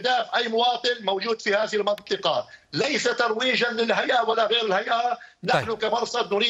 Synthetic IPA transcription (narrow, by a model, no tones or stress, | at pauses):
d̪aːfʔajːmʊwɑːt̪ˤɨnmowd͡ʒuːd̪fihaːðɪhɪlmɑnt̪ˤɨqɑlajsat̪ɑɾˤwiːʒanlɪlɦajʔawalːaɣeːɾɪlhajʔanaħnʊkamɑɾˤsɑd̪nʊɾiː